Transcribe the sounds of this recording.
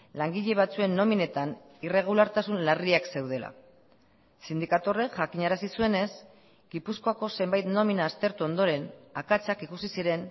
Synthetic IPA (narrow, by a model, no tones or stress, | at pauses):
laŋɡiʎe̞β̞at͡sue̞nːo̞mine̞t̪an | ire̞ɣ̞ulaɾt̪asunlariakse̞wð̞e̞la̰ | sind̪ikat̪o̞reʝakiɲaɾasisue̞ne̞s | ɡipusko̞ako̞se̞mbajt̪no̞minaːst̪e̞ɾt̪uo̞nd̪o̞ɾe̞nakat͡sakikusisiɾe̞n